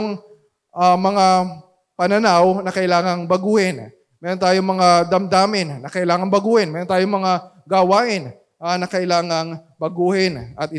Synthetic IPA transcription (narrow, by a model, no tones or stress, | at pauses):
ŋ | ʔɐmɐŋa | pɐnɐnawnɐkɐʔɪlaːŋɐŋbɐɡuːhɛn | mɛːɾont̪aːjoŋmɐŋad̪ɐmd̪aːmɪnːɐkɐʔɪlaːŋɐŋbɐɡuːhɛnmɛːɾnt̪aːjoŋmɐŋa | ɡɐwaːʔɪn | ʔanɐkɐʔɪlaːŋɐŋbɐɡuːhɪnʔɐt̪̚ɪ